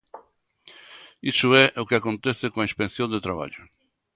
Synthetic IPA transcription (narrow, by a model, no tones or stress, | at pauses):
isʊɛʔʊkɪakõnt̪ɛθɪkõaispẽnθjõnd̪et̪ɾaβa̰ʎʊ